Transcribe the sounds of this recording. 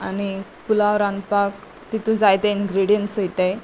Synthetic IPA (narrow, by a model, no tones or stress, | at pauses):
añipulaʋɾãnpak | t̪it̪ũd͡zajt̪einɡɾiɽijənʈsojt̪a